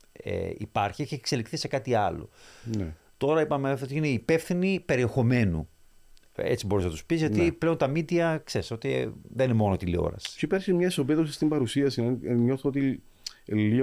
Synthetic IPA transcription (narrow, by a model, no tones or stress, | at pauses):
ḛḭpɐɾçieçiekse̞likθise̞kɐt̪iɐlo̞̰ne | t̪o̞ɾɐipɐmefoot̪iine̞ipe̞fθinipe̞ɾie̞xo̞me̞nṵ | e̞̰t͡sibo̞ɾiznɐt̪uspizʝɐt̪iple̞ont̪ɐmid̪iɐkse̞ɾiso̞t̪ḭðeninemo̞not̪ilio̰ɾɐ̰st͡ʃoipesimɲɐeso̞peðosist̪imbɐɾusiɐsinɲoθoot̪i | li